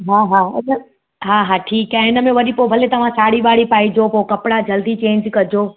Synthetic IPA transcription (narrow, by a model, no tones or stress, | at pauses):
ɦaːɦaːɪnə | ɦaːɦaːʈʰiːkãːɪnə̆mẽʋɐɗipobʱɐlet̪ɐʋ̤ãsaːɽiʋaːɽipaːid͡ʑopoːkɐpɽad͡ʑʱɐld̪it͡ɕẽːɲd͡ʑkɐd͡ʑoː